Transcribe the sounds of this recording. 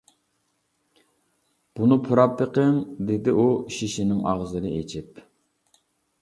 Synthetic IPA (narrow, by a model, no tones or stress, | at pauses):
b̥unɨpʰuɾɑp̚t̪əqʰəŋd̪ed̪ɪʔuʃiʃinɪŋɑ̰ʁzɨnɨet͡ʃʰip